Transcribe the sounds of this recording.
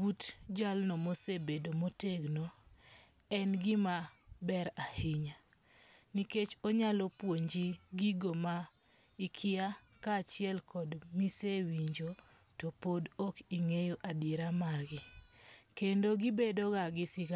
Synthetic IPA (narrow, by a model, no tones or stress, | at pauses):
butd͡ʒalnɔmosebedomoteɡnɔ | ɛnɡɪmabɛɾahɪɲa | niket͡ʃoɲalɔpwoɲd͡ʒiɡiɡoma | ikʰɪa | kaːt͡ʃɪɛlkɔdmisewiɲd͡ʒo | topodokiŋejoʔadeɾamarɡɪkendoɡibedoɡaɡɪsɪka